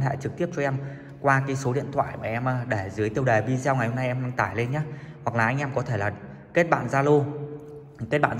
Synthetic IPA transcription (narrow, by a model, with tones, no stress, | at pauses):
nɦa̰ː˧˨jt͡ɕɨ˨˩k̚t̪i˦˥əp̚t͡ɕɔ˧ʔɛ˧m | kwaː˧kaː˨˦jso˨˦ɗḭ˧˨ənt̪ʰwa̰ː˧˨jmaː˨˩ʔɛ˧mʔəː˧˩ɗe˧˩zɨ˨˦əjt̪i˧əwɗəː˨˩jɓi˧zɛ˧wŋa˨˩jho˧na˧jʔɛ˧mɗaː˧ŋt̪aː˧˩jle˧nɲaː˨˦˥ | hwa˨˩k̚laː˨˩ʔa˧jŋ̟ʔɛ˧mkɔ˨˦t̪ʰe˧˩laː˨˩ | ke˦˥t̚ɓa̰ː˧˨nzaː˧lo˧ | ke˦˥t̚ɓa̰ː˧˨n